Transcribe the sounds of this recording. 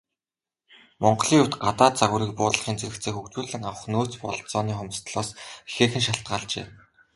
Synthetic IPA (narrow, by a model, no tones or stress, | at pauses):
mɔɴɢɞɮiːut̪ɢat̪aːt̪̚t͡saɣʊːɾiːk̚pʊːtɮɮə̆χiːnt͡sʰeɾɘ̆kt͡sʰeːxukt͡ɕuːɮɘ̆ŋawə̆χnoːt͡spɔɮt͡sɔːniːχʊm̆st̪ɮɔːsxeːxɘ̆nʃaɬt̪̚ɢaːɮt͡ɕḛː